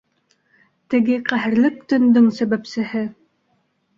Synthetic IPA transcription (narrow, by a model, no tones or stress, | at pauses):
t̪ɘ̆ɡɘqæɦɘ̆ɾlɘk̚t̪ɵ̆nd̪ɵŋsæβæpsɘ̆hɘ